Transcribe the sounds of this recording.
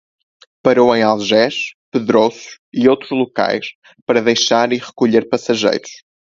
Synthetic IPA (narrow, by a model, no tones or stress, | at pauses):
pɐɾowẽj̃alˠʒɛʃpɨðɾosu̥ | iowt̪ɾʊʒlˠuka̰jʃ | pɐɾɐðejʃaɾiʁɨkuʎeɾpɐsɐʒḛjɾʊʃ